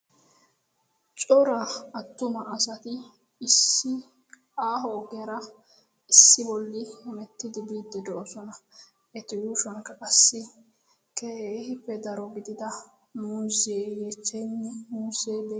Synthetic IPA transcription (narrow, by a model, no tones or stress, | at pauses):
t͡ʃʼɔɾɐɐt̪ːʊmɐʔɐsɐt̪ɪː | sːɪ | aːɦɔːɡɪjɐɾɐ | ɪsːɪbɔlːɪhɪmɛt̪ːɪd̪ɪbiːd̪ːɛd̪ɔʔɔsɔnɐ | ʔɛt̪ɪwuːʃɐŋkɐkʼɐsːɪ | keeːhɪpːɛd̪ɐɾɔɡɪd̪ɪd̪ɐ | muːzɪeːjet͡ʃːɛnːɛmuːzeːd̪e